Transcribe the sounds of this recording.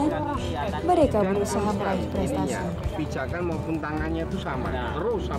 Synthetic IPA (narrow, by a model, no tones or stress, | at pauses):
a | məɾekabəɾusaɦaməlaipəɾast̪asa | b̥id͡ʒakanmaupʊnt̪aŋanɲat̪usama̰ | t̪əɾʊs